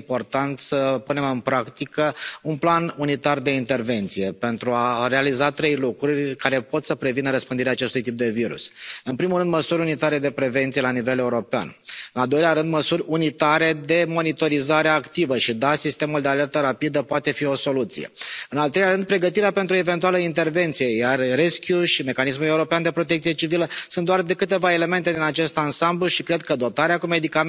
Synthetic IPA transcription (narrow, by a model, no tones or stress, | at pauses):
po̞rt̪ant̪səpune̞mɨnpɾakt̪ikəunplanunit̪ard̪e̞int̪e̞rve̞nt̪sije̞pe̞nt̪ɾuaɾe̞alizat̪ɾe̞jlukɾurʲkaɾe̞po̞t̪səpɾe̞vinəɾəspɨnd̪iɾeaːt͡ʃe̞st̪ujt̪ip̚d̪e̞viɾṵsɨnpɾimulɾɨnd̪məsuɾʲunit̪aɾe̞d̪e̞pɾe̞ve̞nt̪sijelanive̞le̞uɾo̞pea̰nɨnald̪o̞jleaɾɨnd̪məsurʲunit̪aɾe̞d̪e̞mo̞nit̪o̞ɾizaɾeakt̪ivəʃid̪asist̪e̞muld̪e̞ale̞rt̪əɾapid̪əpoat̪e̞fio̞so̞lut̪sḭjḛɨnalt̪ɾelʲaɾɨnd̪̚pɾe̞ɡət̪iɾeape̞nt̪ɾue̞ve̞nt̪ualəint̪e̞rve̞nt̪sije̞jarːeskʲjuʃime̞kanis̬mule̞uɾo̞peand̪e̞pɾo̞t̪ek̚t̪sije̞t͡ʃiviləsund̪oard̪e̞kɨt̪e̞vae̞le̞me̞nt̪e̞d̪inat͡ʃe̞st̪ansambluʃikɾe̞d̪̚kəd̪o̞t̪aɾeakume̞d̪ika